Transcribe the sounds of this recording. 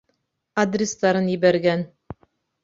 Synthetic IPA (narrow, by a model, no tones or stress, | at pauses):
ɐd̪rʲɪst̪ɑɾɤnjɘ̆bæɾɡæn